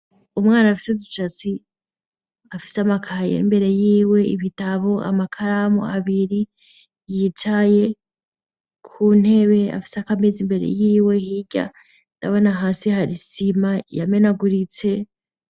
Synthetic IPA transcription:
umŋaːnaafi̥sedut͡ʃat͡si | afi̥seamakʰajḛimbe̞ɾe̞jiːwe̞ḭβitaβo̞a̰makʰaɾamo̰aβiɾi | jitaje̞ | kʰuːn̥e̞βe̞a̰fi̥seakamezimbe̞ɾḛjiːwe̞hiɟa̰ | ndaβo̞naɦaːsihaɾisimajame̞naɡuɾit͡se̞

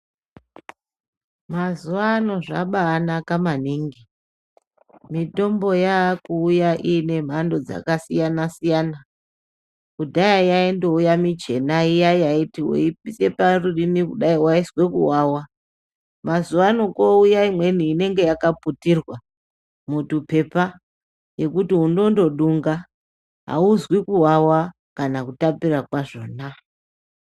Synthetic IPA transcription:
mazuʋaːno̞ʐa̰ɓaːnakamaniːŋɡi | mito̞mbo̞jaːkuːjaʔiːne̞m̤ando̞d͡za̰kasijanasijaːna | kudʱajajaendoujamid͡ʒe̞naijajaitiwo̰ip̚ise̞parurinikuɗaiwaiswe̞kṵwawa | mazuʋano̞koujaimwe̞niːne̞ŋɡe̞jakaputirwa | mutupe̞pa | je̞kutiundo̞ndo̞ɗuŋɡa | ɦa̰uzwikuɦawa | kanakutapirakwaʐo̰ːna

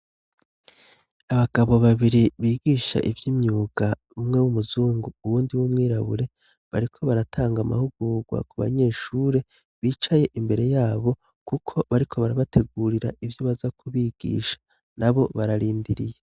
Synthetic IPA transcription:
aβaɡ̥aβo̞βaβiɾiβiːɡiːʃa̰ʔivjimɲuːɡ̥a | umŋe̞wumuzuːŋɡuuwuːndiwumŋiːɾaβṵɾe̞ | βaɾikʰo̞βaɾatʰaːŋɡama̰huɡuːɡwa̰kuβa̰ɲe̞ːʃuːɾe̞ | βiːt͡ʃaje̞ʔimbe̞ɾe̞jaːβo̞ | kukʰo̞βaɾikʰo̞βaɾaβatʰe̞ɡuːɾiɾaʔivjoβazakʰuβiːɡ̥ḭːʃḁ | nʔaβo̞βaɾaɾiːndiɾije

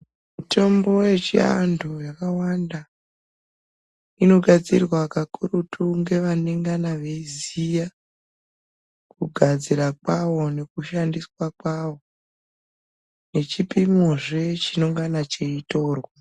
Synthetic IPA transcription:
muto̞mbo̞je̞t͡ʃia̰ndojakawanda | ino̞ɡʱad͡zirwakakuɾutʰuŋɡe̞ʋaneŋɡanaʋe̞izija | kuɡʱad͡ziɾak̚waʋo̞ne̞kuʃandiswakwawo̞ | ne̞t͡ʃipimoʐe̞t͡ʃinoŋɡanat͡ʃe̞ito̞ːrwa

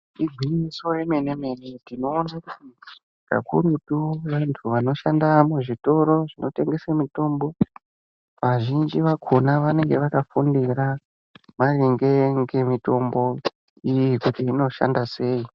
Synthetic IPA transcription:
iɡʱwiniso̞reme̞neme̞netino̞ːnakuti | ka̰kʰuɾutuʋantʰuʋano̞ʃandamuʐito̞ɾo̞ʐino̞te̞ŋɡe̞samuto̞ːmbo̞ | ʋaʒind͡ʒiʋakʰonaʋane̞ŋɡe̞ʋakafundira | mariŋɡe̞ŋɡe̞mito̞mbo̞ | ijikutiːno̞ʃa̰ndase̞ːi

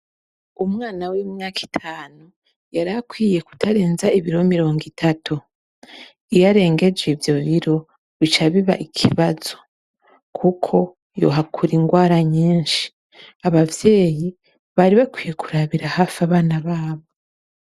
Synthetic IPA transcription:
umŋaːnaweɲaːkʰi̥tʰaːnu | jaɾakwiːje̞ku̥tʰaɾe̞ːnzaiβiɾo̞miɾo̞ːŋɡitʰatʰu | ijaɾe̞ːŋɡe̞d͡ʒevjo̞βiɾo̞ | βit͡ʃaβiβa̰ʔikʰiβazo̞ | kʰukʰo̞ | jo̞̰ɦakʰuɾiŋɡwaːɾaɲiːnʃi̥ | aβavje̞ːji | βaɾiβakwiːje̞kuɾaβiɾahafaβaːnaβaːβo̞

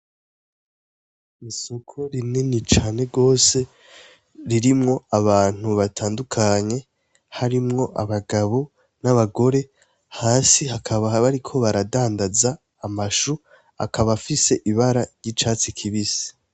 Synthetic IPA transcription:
iso̞kʰo̞ɾinenit͡ʃaːne̞ɡo̞ːse̞ | ɾiɾimŋo̞aβaːn̥huβatʰaːndukʰaɲe̞ | haɾimŋo̞ʔaβaɡaβo | naβaɡo̞ɾe̞ | haːsihakʰaβaβaɾikʰo̞βaɾadaːndazaː | maʃu | a̰kʰaβafise̞ʔiβaɾaɾɟit͡ʃaːt͡sikʰiβisi̥

